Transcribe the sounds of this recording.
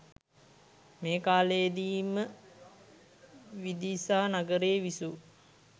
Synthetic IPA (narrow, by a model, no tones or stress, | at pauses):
meːkaːlejd̪iːmə | ʋid̪isaːnaɡəɾeːʋisu